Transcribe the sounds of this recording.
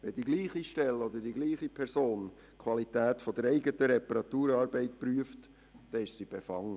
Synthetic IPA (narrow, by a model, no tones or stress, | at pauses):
ʋɛdiɡliːχiʃtɛlɔd̪ədiɡliːχipʰɛɾsoːn | kʰwɑlit̪æːtfɔd̥̪əɾɛɪɡət̪əɾɛpəɾɑt̪uːɾɑːɾbɛɪtpɾyəft | d̥ɛɪʃsib̥ɛfɑŋə